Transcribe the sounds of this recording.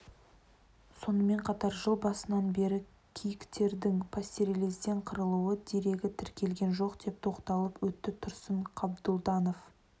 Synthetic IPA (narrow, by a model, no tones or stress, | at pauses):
so̞nəme̞ɴqʰɑt̪ɑɾʒəlˠbɑsənɑnbe̞ɾɪ | kʲʰijɪkt̪e̞ɾd̪ɪŋpʰasʲt̪eɾele̞sd̪e̞ɴqʰəɾəlˠuwəd̪eɾe̞ɡʲɪt̪ʰɪɾkʲʰe̞lɡʲe̞nʒo̞qd̪e̞p̚t̪ʰo̞qt̪ɑlˠəpwɵt̪ːɪt̪ʰʊɾsəɴqʰɑbd̪ʊlˠd̪ɑno̞f